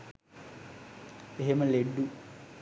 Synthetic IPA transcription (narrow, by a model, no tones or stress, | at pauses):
eɦemɐleɖːu